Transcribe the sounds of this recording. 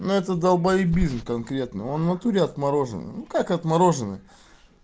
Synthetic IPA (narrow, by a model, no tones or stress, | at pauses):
nuɛt̪əd̪ɐlˠbɐibʲizmkɐnkɾʲe̞t̪nɨ̰o̞nnɐt̪uɾʲɪɐt̪mɐɾo̞ʐɨ̰nɨ̰nukakɐt̪mɐɾo̞ʐɨnɨ̰